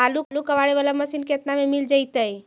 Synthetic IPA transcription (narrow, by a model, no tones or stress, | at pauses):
alulukəʋaɽeʋalaməsiːnket̪namemild͡ʒajt̪əj